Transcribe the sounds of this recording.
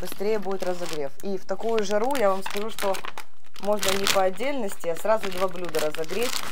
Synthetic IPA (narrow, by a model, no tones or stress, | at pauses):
b̥ɨst̪ɾʲejəbudʲɪt̪ɾəzɐɡɾʲe̞fift̪ɐkujʊʐɐɾujavamskɐʐuʂt̪o̞ | mo̞ʐnənʲɪpəɐdʲːelʲnəsʲtʲɪɐsɾazʊd̪vablʲud̪əɾəzɐɡɾʲetʲ